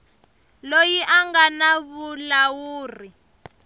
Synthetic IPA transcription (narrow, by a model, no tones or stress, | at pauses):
lojiʔaŋɡanaβulawuːri